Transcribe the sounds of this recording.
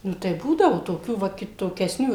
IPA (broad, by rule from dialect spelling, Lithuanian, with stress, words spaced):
ˈnʊ tɐɪ ˈbuːdɐʋʊ toːˈkʲuː ˈʋɐ kʲɪtoːkʲɛsʲˈnʲuː